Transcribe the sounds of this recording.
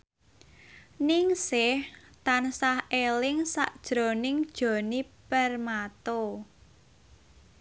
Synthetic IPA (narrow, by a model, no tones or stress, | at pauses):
nɪŋsɪht̪ansahelɪŋsa̰ʔd̥ʒ̥ɾɔnɪŋd̥ʒ̥ɔ̤nipərmat̪o